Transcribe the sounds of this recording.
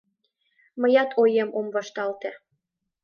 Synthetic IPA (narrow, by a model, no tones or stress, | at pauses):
məjɑt̪ʰojemomβɑʃt̪ɑlt̪ĕ